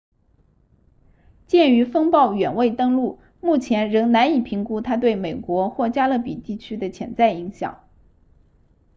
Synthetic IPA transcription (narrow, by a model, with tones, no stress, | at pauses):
t͡ɕjɛ˥˩ny˧˥fɤ˥ŋpɑ˥˩ʊɥɛ˨˩nwe˥˩ɪt̪ɤ˥ŋlu˥˩ | mu˥˩t͡ɕʰjɛ˧˥nɻɤ˧˥ŋna˧˥ni˨˩pʰi˧˥ŋku˥t̪ʰa˥t̪we˥˩ɪme˨˩ɪkwɔ˧˥xwɔ˥˩t͡ɕja˥lə˥˩pi˨˩t̪i˥˩t͡ɕʰy˥d̪ə˨t͡ɕʰjɛ̰˧˥˩nt͡sa˥˩ɪi˧˥ŋɕjɑ̰˨˩˦ŋ